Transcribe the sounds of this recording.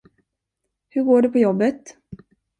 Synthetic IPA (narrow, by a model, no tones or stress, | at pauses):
hɵɾɡoːɖɛpʰɔjɔbːət̪